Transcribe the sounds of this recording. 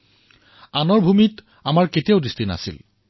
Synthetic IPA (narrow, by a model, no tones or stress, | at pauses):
anɔɹbʱumit | amaɹketijaʊdistina̰sḭl